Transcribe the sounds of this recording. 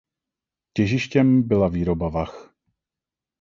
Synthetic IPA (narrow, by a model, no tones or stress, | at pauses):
cɛʒɪʃcɛmbɪlaviːɾobavax